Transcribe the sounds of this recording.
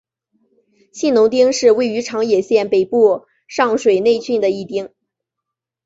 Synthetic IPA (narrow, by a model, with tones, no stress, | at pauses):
ɕi˥˩nʊ˧˥ŋt̪i˥ŋʂɻ̩˥˧we˥˩ɪy˧˥ʈ͡ʂʰɑ˧˥ŋjɛ˨˩ɕjɛ˥˩npe˨˩ɪpu˥˧ | ʂɑ˥˩ŋʂwe˨˩ɪne˥˧ɪt͡ɕʰy˥˩nd̪ə˩i˥˩t̪i˥ŋ